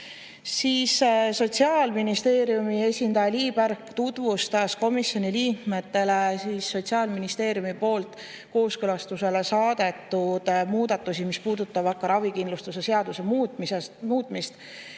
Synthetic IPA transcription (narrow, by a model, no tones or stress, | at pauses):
siːsso̞t̪ʲsiɑlminist̪e̞ːɾjumie̞sʲind̪ɑjɑliːb̥æɾkt̪ud̪̥vust̪ɑsko̞misjo̞niliːkme̞t̪ːe̞le̞siːsːo̞t̪siɑːlminist̪e̞ːɾjumipo̞ːlt̪ˑ | ko̞ːskølɑst̪use̞le̞sɑːd̪̥e̞t̪ːˑud̪̥muːd̪̥ɑt̪ːˑusimispuːd̪ut̪ːˑɑbɑkːˑɑɾɑvikinlust̪use̞se̞ɑd̪usemmsemuːt̪ːˑmist̪